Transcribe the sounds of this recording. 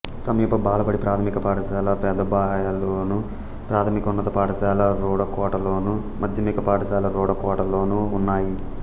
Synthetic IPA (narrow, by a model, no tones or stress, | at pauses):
sɐmiːpɐbaːlɐpɐɽipɾaːt̪ʰɐmikɐpaːʈɐsaːlɐpɛːd̪ɐbaːjaloːnu | pɾaːt̪ʰɐmikunːɐt̪ɐpaːʈɐsaːlɐɾɔːɽɐkɔːʈɐloːnu | mɐd̪ʱjɐmiːkɐpaːʈɐsaːlɐɾɔːɽɐkɔːʈɐlo̞ːnuːnːaːji